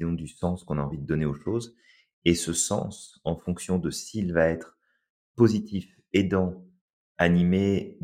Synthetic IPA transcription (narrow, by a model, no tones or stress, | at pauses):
jɔ̃d̪ysɑ̃skɔ̃naɑ̃vid̪əd̪ɔneoʃoz | esəsɑ̰̃sɑ̃fɔ̃ksjɔ̃d̪əsilvaɛt̪χ | pozit̪if | ed̪ɑ̃ | anime